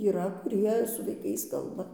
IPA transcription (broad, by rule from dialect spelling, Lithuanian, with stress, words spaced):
iːˈrɐ kʊˈrʲiɛ sʊ ʋɐɪˈkɐɪs ˈkɐlˠbɐ